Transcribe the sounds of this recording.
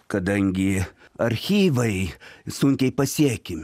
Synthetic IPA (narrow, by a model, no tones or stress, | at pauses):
kɐd̪ɐŋʲɡʲɪ | ɐɾʲxʲiːʋɐɪsʊŋʲkʲɛɪpɐsʲiɛkʲɪmʲ